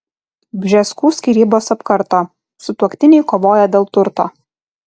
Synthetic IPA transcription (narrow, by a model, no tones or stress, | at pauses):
bʲʒʲɛskuːsʲkʲiːɾʲiːboːsɐpkɐɾt̪oː | sʊt̪uɔkt̪ʲɪnʲɛɪkoːʋoːjɛd̪ʲeːlˠt̪ʊɾt̪oː